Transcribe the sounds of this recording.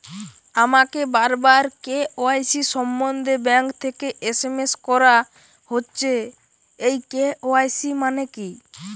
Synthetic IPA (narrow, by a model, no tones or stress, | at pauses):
amakebaɾbaɾkeoajsisɔmbɔnd̪ʱebɛŋkt̪ʰekeʔesemeskɔɾa | hotːt͡ʃʰe | ejkeoajsimaneki